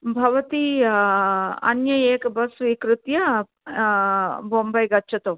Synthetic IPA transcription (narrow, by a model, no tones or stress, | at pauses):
bʱɐʋɐt̪i | ɐ̰njɐjeːkɐbɐsʋikɾɪt̪jɐ | boːmbɐjɡɐtːʃʰɐt̪ɐ